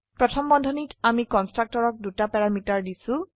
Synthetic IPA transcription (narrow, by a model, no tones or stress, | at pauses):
pɹɔtʰɔmbɔndʱɔnitamikɔnstɹak̚tɔɹɔk̚dutapɛɹamitaɹdisʊ̃